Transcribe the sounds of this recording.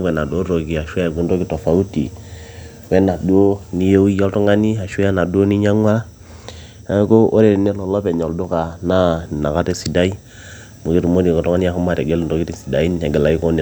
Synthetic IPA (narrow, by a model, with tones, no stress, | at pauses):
wɛ˨na˨do˦ɾo˨ɡi˨a˨ʃu˦a˨ɡu˦ndo˦ɡi˦to˨fa˨u˦ti˨ | wɛ˦na˨du˦ni˦je˦wjo˦ltu˦ŋa˦ni˦a˨ʃu˦a˦na˨du˦o˦ni˦ɲa˦ŋwa˦ | a˦ko˦ʔo˦ɾe˦˨nɛ˦lo˨lo˦pɛ˨ɲo˨ldu˦ka˨na˦˨na˨ka˦te˦si˨da˦i˦ | mu˨ɡi˦tu˨mo˦di˨ko˨tu˦ŋa˦ni˦ja˦ku˦ma˦ɾe˨ɡe˦lndo˨ɡi˦ti˨si˨da˨i˦ne˨ɡɛ˨la˨i˦ko˦n˨